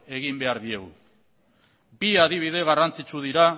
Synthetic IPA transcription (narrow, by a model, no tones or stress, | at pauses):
e̞ɣimbe̞aɾðie̞ɣu | biaðiβ̞ið̞e̞ɣ̞arant͡sit͡ʃuðiɾa